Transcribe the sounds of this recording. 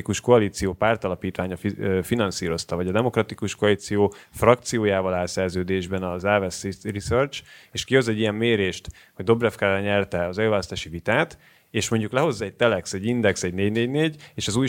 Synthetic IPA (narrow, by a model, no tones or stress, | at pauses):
ikuʃkoɒliːt̪sijoːpaːrt̪ɒlɒpiːt̪ʋaːɲɒfifinɒnsiːɾo̞st̪ɒvɒɟɒd̪ɛmo̞krɒt̪ikuʃkoɒliːt̪sijoːfrɒk̚t̪sijoːjaːvɒlaːsɛrzøːd̪eːʒbɛnɒzaːvɛsirisørt͡ʃeːʃkiho̞zɛɟːijɛmːeːɾeːʃt̪ | ho̞ɟd̪o̞brɛfkaːɾaɲɛrt̪ɛɒzɛlvaːlɔst̪aːʃivit̪aːt̪ | eːʃmo̞ɲɟuklɛɦo̞zːɒɛc̚t̪ɛlɛksɛɟːind̪ɛksɛɟneːɟneːɟneːɟeːʃɒzuːj